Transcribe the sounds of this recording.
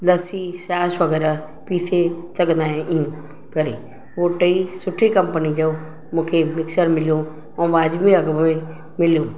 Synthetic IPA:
lɐsisaːsʋɐɣɛːɾa | piːsesɐɠə̃nd̪aːɦẽʔɪjũ | kɐɾḭː | ɦoʈɐisʊʈʰikɐ̃mpənid͡ʑo | mũːkʰemɪksəɾmɪlijo | ɛ̃ʋaːd͡ʑmiɐɡmmẽ | mɪlijo

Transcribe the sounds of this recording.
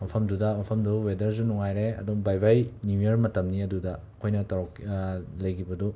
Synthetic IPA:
mɐpʰɐmdudɐmɐpʰɐmduwedɐɾzunuŋajɾeɐ̰duŋbajbajniieɾmɐtɐmniɐdudɐ | kʰojnɐtɐɾɔklɐjɡʰibɐdu

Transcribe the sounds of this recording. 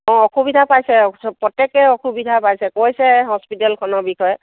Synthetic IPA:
ɔ̃ɔxubidʱapajsɛpɔtɛkɛɔxubidʱapajsɛkojsɛɦɔspitɛlkʰɔnɔɹbikɔjɛ

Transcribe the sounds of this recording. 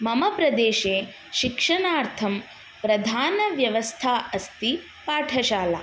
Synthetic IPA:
mɐmɐpɾɐd̪eːʃeː | ʃikʂɐɳaːɾt̪ʰɐm | pɾɐd̪ʱaːnɐʋjɐʋɐst̪ʰaːɐst̪i | paːʈʰɐʃaːlɐ

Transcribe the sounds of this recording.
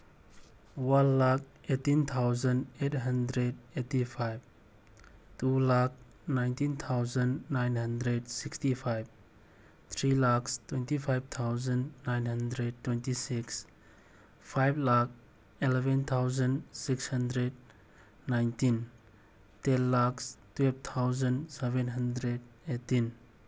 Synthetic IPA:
wanlak̚ | etint̪ʰawzənet̚ɦəndɾedetipʰajb̚ | tulak̚ | najntint̪ʰawzənːajnhəndɾedsikstipʰajb̚ | t̪ʰɾilakstwentipʰajb̚t̪ʰawzənːajnɦɐndɾed̚tːwentisiks | pʰajblak | ilɛbent̪ʰawzənsikshɐndɾed̚ | najntin | tenlakstwelb̚t̪ʰawzənsebenɦəndɾed | etin

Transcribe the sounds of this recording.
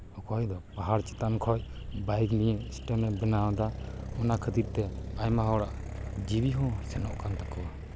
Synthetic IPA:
ɔkɔjd̪ɔpaɦaɾt͡ʃɛ̥t̪ankʰɔj | bajknijɛsʈənbɛnawãd̪aɔnakʰət̪iɾt̪ɛajmaɦɔwɽa̰ʔ | d͡ʒibiɦɔ̃sɛnɔʔkant̪akɔwa

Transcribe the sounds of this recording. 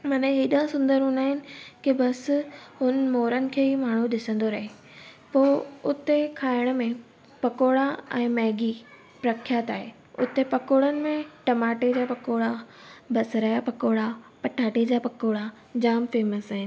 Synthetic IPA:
mɐnə̃ɦiːɗãsʊ̃nd̪əɾɦʊ̃naːɦɪnɪ̆kibɐsɦʊnəmoːɾənɪ̆kʰeːimaːɳ̤uɗɪsə̃nd̪oɾɐɦe | poːʊt̪ekʰaːɪɽ̃ʊ̆mẽ | pɐkoːɽaɛ̃ːmɛːɡi | pɾɐkʰjat̪aːɦe | ʊt̪epɐkoːɽənɪ̆mẽʈɐmaːʈed͡ʑaːpɐkoːɽabɐsɾɐɦjapɐkoːɽapɐʈʰaːʈed͡ʑaːpɐkoːɽa | d͡ʑaːmfeːməsaɦɪnɪ̆

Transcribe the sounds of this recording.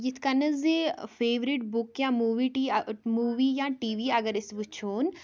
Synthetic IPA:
jit̪ʰkɐnəzefeːʋɾiʈbʊkjãːmuːʋiʈimuːʋiːjãːʈiːʋiːɐɡəɾɪsʋut͡ʃʰoːn

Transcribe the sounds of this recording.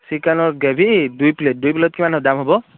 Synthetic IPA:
sikanɔɹɡebʱidujplet̚dujplɔt̚kimanɔdamɦɔbɔ

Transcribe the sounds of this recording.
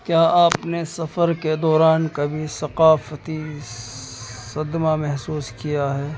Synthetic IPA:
kjaːʔaːpnesɐfəɾked̪ɔːɾaːnkabʱisɐqaːfət̪i | sɐd̪mamɛɦsuːskijaɦɛː

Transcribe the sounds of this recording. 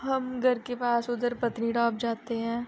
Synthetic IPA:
ɦɐmɡʱɐɾkepaːsʊd̪əɾpɐt̪niɖaːp̚d͡ʒaːt̪eɦɛ̃ː

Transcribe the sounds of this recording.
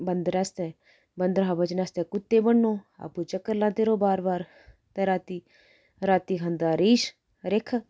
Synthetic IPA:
bənd̪əɾɛst̪ɛ̃ː | bənd̪əɾɦabət͡ʃnaːst̪ɛ̃ːkʊt̪ːeːbəɳːoːa̰ːpũːt͡ʃəkːəɾlãːt̪eɾoːbaːɾbaːɾ | t̪ɛɾaːt̪iː | ɾaːt̪iːɦənd̪aːɾiːʃ | ɾekʰ

